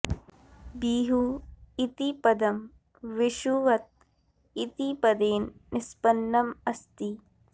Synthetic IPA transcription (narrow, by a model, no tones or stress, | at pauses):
biːɦuːit̪ipɐd̪ɐm | ʋɪʃuːʋɐt̪̚ | it̪ipɐd̪eːnːɪspɐnːɐmɐst̪iː